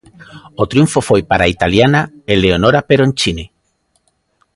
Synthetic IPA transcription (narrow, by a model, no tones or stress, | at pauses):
ot̪ɾjuɱfofojpaɾait̪aljanaeleonoɾapeɾoent͡ʃine